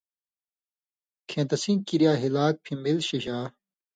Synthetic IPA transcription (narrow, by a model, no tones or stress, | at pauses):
kʰẽːt̪ɐsĩkiɾjaːɦilaːk̚pʰĩmilɕiɕaː